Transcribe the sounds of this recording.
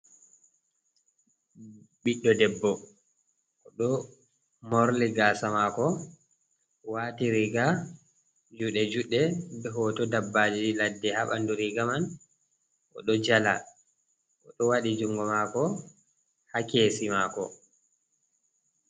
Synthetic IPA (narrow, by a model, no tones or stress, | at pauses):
biɗːɔdɛbːɔ | ʔɔɗɔ | moɾliɡaːsamakɔ | waːtiɾiɡa | d͡ʒuɗɛd͡ʒuɗːɛbɛɦɔːtɔdabːaːd͡ʒiladːɛhaɓa̰nduɾiɡaman | ʔɔ̰ɗɔd͡ʒala̰ | ʔɔɗɔwaɗid͡ʒuŋɡɔmakɔ | hakeːsimakɔ̰